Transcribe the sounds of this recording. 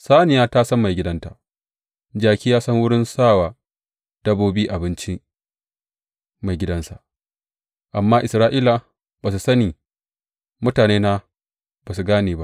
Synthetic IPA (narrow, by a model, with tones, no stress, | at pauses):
saː˦nɪ˨jaː˦taː˦sɐ˦mːa˨jɡʲɪ˦dɐ˦nta˨ʔ | d͡ʒaː˨kʲiː˦jaː˦sɐ˦ŋwʊ˦ɽɪ˦nsaː˦˨waː˨ | d̥ɐ˦boː˦biː˦ʔa˨bɪ˦nt͡ʃi˦ | ma˨jɡʲɪ˦dɐ˦nsa˨ | ʔa˨mːaː˦ʔɪ˨sɾaː˦ʔiː˦la˨ | baː˨s̬u˨sɐ˦niː˨ | mʊ˦taː˨neː˦na˦ | baː˨s̬u˨ɡaː˦neː˨ba˦ʔ